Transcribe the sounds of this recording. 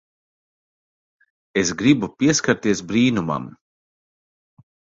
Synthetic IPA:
esɡɾibupʲiɛskaɾt̪iɛsbɾiːnuma̰m

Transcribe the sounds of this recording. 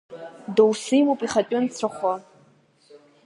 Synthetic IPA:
dowsɨjmowpʼiχatʼɪnt͡sʷʰaχʷa

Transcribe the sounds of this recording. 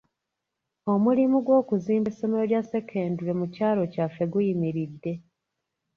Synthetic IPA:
o̞mulimuɡwo̞ːkuziːmbeso̞meɾo̞ɾjase̞kʰe̞ːndule̞mucaːlo̞cafe̞ɡujimiɾidːe̞

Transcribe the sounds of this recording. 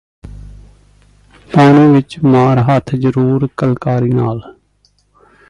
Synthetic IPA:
paːnũːʋɪt͡ʃmaːɾɦət̪ʰd͡ʒəɾuːɾkəlkaːɾiːnaːl

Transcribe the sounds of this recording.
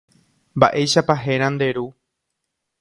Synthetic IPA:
mba̰ʔe̞jʃapaɦeɾ̃ãnd̪e̞ɾu

